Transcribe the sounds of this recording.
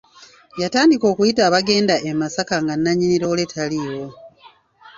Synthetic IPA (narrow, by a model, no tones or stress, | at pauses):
jataːndiko̞ːkujitaːβaɡe̞ːndaʔemasakaŋɡanːaɲiniɾoːle̞tʰalijo